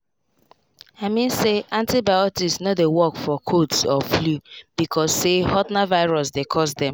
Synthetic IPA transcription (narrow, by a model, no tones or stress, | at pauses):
aɪmĩnseʔãntibaɪɔtisnɔtdewɔkfɔkʰodsɔflub̥ikʰɔsːehɔtnavaɪɹɔs̬dekʰɔsdɛ̃m